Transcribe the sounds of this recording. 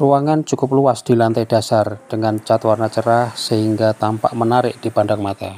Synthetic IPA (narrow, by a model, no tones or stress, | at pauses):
ruwaŋant͡ʃukʊp̚luwasd̪̥i̤lant̪ad̥asard̥əŋant͡ʃat̪warnat͡ʃəɾahsəɦiŋɡat̪ampa̰ʔmənaɾɪʔd̪̥ipanɖaŋmat̪a